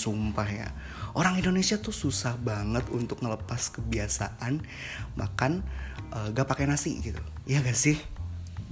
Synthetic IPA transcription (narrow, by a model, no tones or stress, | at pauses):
sumpahja̰ | ʔoɾaŋindonesiat̪ʊsusahbaŋət̪unt̪ʊk̚ŋələpaskəbiasa̰ʔan | ma̰kanəːɡapakenasḭɡit̪ujaɡasɪh